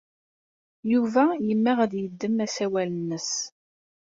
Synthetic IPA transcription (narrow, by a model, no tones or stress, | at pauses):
juvæjəmːæʁæðjəd̪ːəmæsæwælənːəs